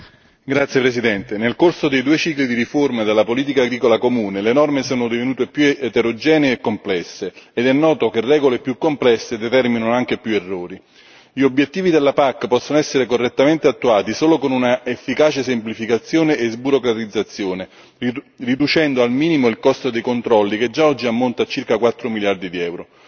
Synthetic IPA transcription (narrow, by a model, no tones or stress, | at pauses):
ɡɾat̪sːjepɾesid̪ɛnt̪enelkorsod̪ejd̪uet͡ʃiːklid̪iɾiformaed̪elːapoliːt̪̬ikaːɡɾiːkolakomuːnelenɔrmesoːnod̪ivenuːt̪epjuet̪eɾod͡ʒɛːneeːkːomplɛsːeːd̪ɛnːɔːt̪okerːɛːɡolepjukːomplɛsːed̪et̪ɛrminanoaŋk̟epjuerːoːɾi | ʎiobːjet̪ːiːvid̪elːapakːpɔsːonoɛsːeɾekorːet̪ːament̪eat̪ːuaːt̪isoːlokonunaefːikaːt͡ʃesemplifikat̪sːjoːneʔezbuɾokɾat̪id̪zːat̪sːjoːne | rid̪ut͡ʃɛnd̪oalmiːnimoilkɔst̪od̪ejkont̪ɾɔlːik̟ed͡ʒːaɔd͡ʒːiamːont̪at͡ʃːirkakwat̪ːɾomiljard̪id̪iɛwɾo